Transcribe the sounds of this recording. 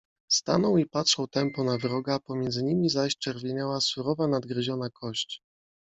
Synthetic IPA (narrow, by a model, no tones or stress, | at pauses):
st̪a̰nɔwipatʂɔwt̪ɛmpɔnavɾɔɡapɔmʲjɛnd̪zɘɲimʲizaɕt͡ʂɛɾvʲjeɲawasuɾɔvanad̪ɡɾɘʑɔnakʰɔɕt͡ɕ